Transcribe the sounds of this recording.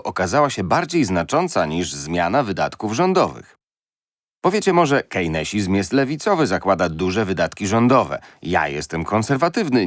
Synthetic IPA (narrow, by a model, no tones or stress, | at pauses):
ʔɔkazawaɕɛbaɾd͡ʑejznat͡ʂɔnt̪saɲiʐzmʲjanavɘd̪at̪kuvʐɔnd̪ɔvɘ̰x | pɔvʲjet͡ɕɛmɔʐɛkɛjnɛɕizmʲjɛst̪lɛvʲit̪sɔvɘzakwad̪ad̪uʐɛvɘd̪at̪kʲiʐɔnd̪ɔvɛ̰ja̰jɛ̰st̪ɛmkɔnsɛɾvat̪ɘvnɘ